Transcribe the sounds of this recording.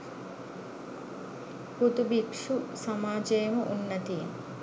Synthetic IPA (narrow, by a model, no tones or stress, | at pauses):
put̪ubikʂusamaːd͡ʒejməʔunːɐt̪ije